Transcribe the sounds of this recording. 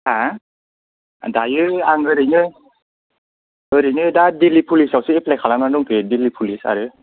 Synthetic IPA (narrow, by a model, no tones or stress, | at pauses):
a | dajɯaŋɯɾɯnɯj | ɯɾɯnɯjdadilipʰulisawsɯeplɛkʰalamnanduŋtɯdilipʰulisa̰ɾɯ